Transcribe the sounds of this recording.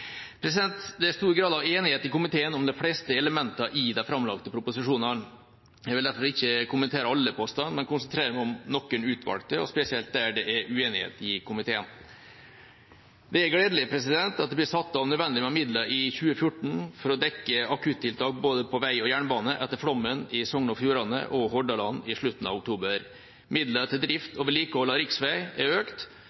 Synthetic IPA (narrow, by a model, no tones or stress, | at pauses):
pʰɾɛs̬ɪd̪ɛnt̪d̪ɛæɾst̪uːɾɡɾɑːd̪ɑʋeːnɪheːt̪ɪkʊmɪt̪ʰeːənɔmd̪ɛflɛst̪əɛləmɛnt̪ɑʔɪd̪ɛfɾɑmlɑ̰kt̪əpʰɾʊpʊsɪʂuːnɑn | jɛʋɪld̪æɾfɔɾɪçːəkʰʊmənt̪ʰeːɾəɑlːəpʰɔst̪ɑnmɛnkʊnsənt̪ɾeːɾəmæɔmnɔkːəɳʉːt̪ʰʋɑ̰lk̚t̪əɔ̰spɛsɪɛlt̪̚d̪æɖɛʔæɾʉeːnɪhḛːt̪ɪkʰʊmɪt̪ʰeːən | d̪ɛæɾɡleːd̪əlɪpʰɾɛsɪd̪ɛnt̪ɑt̪̚d̪ɛblɪsɑt̪ːɑʋnœd̪ʋɛnd̪ɪmɛmɪd̪ləʔɪçʉːəfjʊʈɳ̩fɔɾɔd̪ɛkːəɑkʰʉt̪ʰːɪlt̪ɑːk̚boːd̪əpʰɔʋæɪɔjæːɳbɑːnəʔɛt̪ːəɾfɽɔmːənɪsɔŋnɔfjuːɾɑnə̰ʔɔɦɔɖɑlɑnːɪʂɭʉt̪ːn̩ɑ̰ʋʊkt̪ʰuːbəɾ | mɪd̪lət̪ʰɪld̪ɾɪft̪ɔːʋəɭiːkɔʋlɑɾɪksʋæɪɛɾøːkt̪